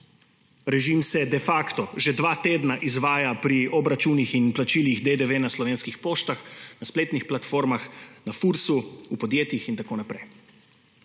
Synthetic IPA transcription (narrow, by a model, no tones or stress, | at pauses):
ɾɛʒimsɛd̪ɛfaːkt̪ɔʒed̪ʋaːt̪eːd̪naʔizʋaːjapɾiɔbɾat͡ʃunixinplat͡ʃiːliɣd̪ed̪eʋenaslɔʋeːnskixpoːʃt̪axnaspleːt̪nixplat̪foːɾmaxnafuɾsuupɔd̪jeːt̪jixint̪akoːnapɾɛj